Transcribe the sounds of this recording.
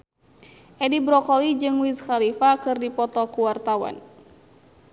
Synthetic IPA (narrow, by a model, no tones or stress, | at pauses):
ʔɛdibɾɔkɔlid͡ʒɨŋwiskalifakɨrdipɔt̪ɔkuwart̪awa̰n